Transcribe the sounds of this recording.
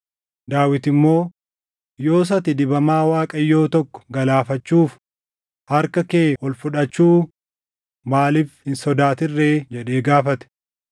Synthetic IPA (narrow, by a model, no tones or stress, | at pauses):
d̪aːwɪt̪ɪmːo̞ː | jo̞ːs̬ɐt̪ɪd̪ɪbɐmaːwaːkʼɐjːo̞ːt̪ɔkːɔ̥ɡɐlaːfɐt͡ʃːuːf | hɐɾkɐkeːhɔlfʊᶑɐt͡ʃːuː | maːlɪfhɪnsɔd̪aːt̪ɪrːeːd͡ʒɛᶑe̞ːɡaːfɐt̪ɛ̥